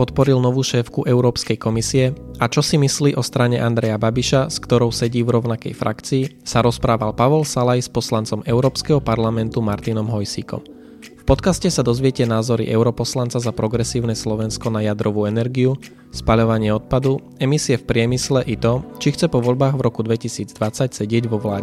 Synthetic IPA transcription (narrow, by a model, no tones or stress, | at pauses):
pɔt̪pɔɾilnɔʋuːʃɛːfkuʔɛʊɾɔːpskɛjkɔmisiɛat͡ʃɔsimisliːʔɔst̪ɾaɲɛʔand̪ɾɛjababiʃaskt̪ɔɾɔʊsɛɟiːvɾɔʊnakɛ̰jfɾʔa̰kt͡siːsaɾɔspɾaːʋalpaʋɔlsalajspɔslant͡sɔmɛʊɾɔːpskɛɦɔpaɾlamɛnt̪umaɾt̪inɔmɦɔjsiːkɔ̰m | fpɔt̪kascɛsad̪ɔzʋɪɛcɛnaːzɔɾḭʔɛʊɾɔpɔslant͡sazapɾɔɡɾɛsiːʊnɛːslɔʋɛnskɔnajad̪ɾɔʋuːɛnɛɾɡiu | spaʎɔʋaɲɪɛɔt̪̚pad̪u | ɛmisiɛfpɾɪɛmislɛʔit̪ɔt͡ʃixt͡sɛpɔʋɔʎbaːɣvɾɔkud̪ʋɛcisiːd͡zd̪ʋat͡sacsɛɟɪɛɟʋɔʋlaː